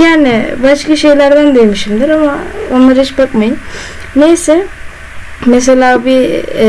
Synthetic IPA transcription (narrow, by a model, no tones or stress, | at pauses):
jaːnibaʃkaʃe̞jlʲæɾd̪ænd̪ejmiʃimd̪iɾamaonlˠaɾɦit͡ʃbakmajɯm | nejsɛ | mes̬elʲaːbi